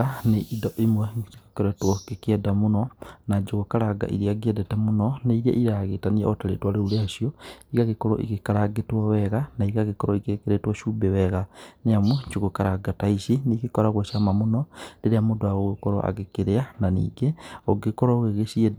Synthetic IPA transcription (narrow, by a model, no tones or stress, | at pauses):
aneʔidɔʔimwɛt͡ʃikokeɾatwɔkekeɛdamonɔnaɲd͡ʒoɣokaɾaɡa̰ʔḭɾiaɡiɛdɛtamonɔneiɾia̰ʔiɾaɣetaniaɔtaɾḛtwaɾeuɾeaʃiɔiɣaɣekɔɾɔ̰ʔḭɣekaɾaɡetwawɛɣanaiɣaɣekɔɾɔikekeɾetwaʃuːbɛwɛɣaneamwuɲt͡ʃuɣokaɾaɡataiʃineɣekɔɾaɣwɛʃamamonɔndeɾeamodoaɣoɣekɔɾɔ̰ʔa̰ɣekeɾeananḭːɡeɔɡekɔɾɔɣeɣeʃiɛ